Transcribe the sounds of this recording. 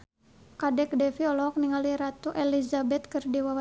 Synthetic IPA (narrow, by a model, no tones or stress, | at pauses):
kadɛk̚dɛfiɔlɔk̚niŋaliɾat̪uʔelizabɛt̪̚kɨrdiwawa